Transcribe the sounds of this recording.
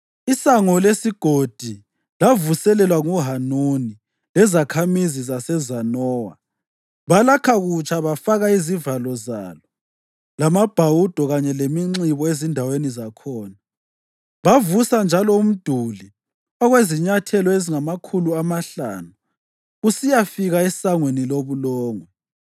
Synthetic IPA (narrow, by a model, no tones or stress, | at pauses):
isaŋɔlesiɡ̥ʱod̥ʱi | lavusɛlɛlwaŋuɦanuni | lɛzakʰamizizasɛzanɔːwa | βalakʰaɣut͡ʃʰʼaβafaɣaizivalɔza̰ːlɔ | lamab̥ʱawud̥ʱɔɣaɲɛlemiŋ͡ǀiβɔezindʱawenizakʰɔːna | βavusand͡ʒʱalɔum̩d̥ʱuli | ɔɣweziɲatʰɛlɔeziŋamakʰuluamaɬa̰ːnu | usijafiɣaɛsaŋweniloβulɔːŋɔ